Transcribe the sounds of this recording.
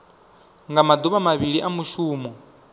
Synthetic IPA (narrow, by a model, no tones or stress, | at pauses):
ŋɡamad̪uβamaβiɺiʔamuʃuːmɔ